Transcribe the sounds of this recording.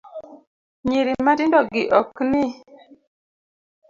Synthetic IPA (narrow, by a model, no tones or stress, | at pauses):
ɲiɾimatɪndɔɡɪʔɔknɪ